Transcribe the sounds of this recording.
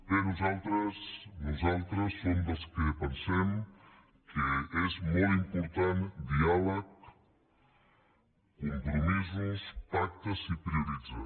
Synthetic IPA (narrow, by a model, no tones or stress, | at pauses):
penuzalˠt̪ɾəsnuzalˠt̪ɾəsːomd̪əlˠskəpənsɛm | kəezmɔlˠimpuɾt̪and̪ialək | kumpɾumizuspak̚t̪əzipɾiuɾid͡za